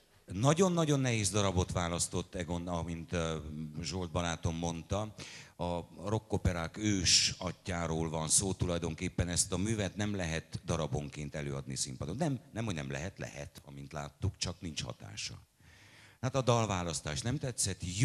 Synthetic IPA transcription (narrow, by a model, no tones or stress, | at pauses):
nɒɟo̞nːɒɟo̞nːɛɦeːzd̪ɒɾɒbo̞t̪ʋaːlɒst̪o̞t̪ːɛɡo̞nɒmint̪ | ʒo̞ld̪̚bɒlaːt̪o̞mːo̞nt̪ɒɒro̞kːopɛɾaːkøːʃɒcːaːɾoːlvɒnsoːt̪ulɒjd̪o̞ŋkeːpːɛnɛst̪ɒmyːvɛt̪nɛmlɛɦɛt̪d̪ɒɾɒboŋkeːnt̪ɛløːɒd̪nisimpɒd̪onnɛmnɛmho̞ɟnɛmlɛ̰ɦɛt̪lɛ̰hɛ̰t̪ɒ̰mint̪la̰ːt̪ːukt͡ʃɒknint͡ʃhɒ̰t̪a̰ːʃɒ̰ | haːt̪ɒd̪ɒlvaːlɒst̪aːʃnɛmt̪ɛt̪sɛt̪